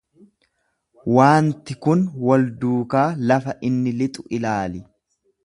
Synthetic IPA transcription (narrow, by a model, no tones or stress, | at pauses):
waːnt̪ɪkʊnwɐld̪uːkaːlɐfɐʔɪnːɪlɪt̪ʼʊʔɪlaːlɪ